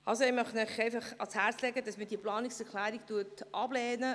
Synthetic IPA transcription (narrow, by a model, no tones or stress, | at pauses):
ɑlsoɪmœχtnœχɛɪfɑχɑshæɾt͡slɛɡədɑsmədiːəplɑːniksɛɾklæːɾik̚tuətʔɑbleːnə